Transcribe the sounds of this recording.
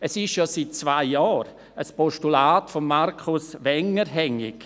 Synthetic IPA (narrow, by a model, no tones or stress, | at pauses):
ɛsɪʃjosit̚t͡svaɪjɔːɾ | əspɔʃtulaːtfɔmːaɾkʰʊsʋɛŋəɾɦɛŋɪ̰k